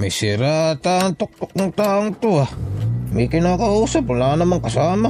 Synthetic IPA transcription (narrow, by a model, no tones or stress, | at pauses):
misiɾat̪aŋt̪uk̚t̪uk̚nuŋt̪auŋt̪uamikinakausapunanamaŋkasama